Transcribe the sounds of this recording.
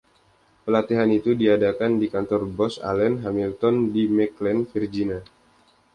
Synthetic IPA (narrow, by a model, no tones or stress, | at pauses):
pəlat̪iɦanit̪udiadakandikant̪ɔrbɔsa̰lɛnɦamilt̪ɔndimɛklɛnfird͡ʒina